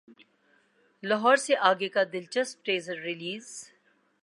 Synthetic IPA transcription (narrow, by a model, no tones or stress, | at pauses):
lɐɦɔːɾseʔaːɡekad̪ɪlt͡ʃəspʈeːzəɾːɪliːz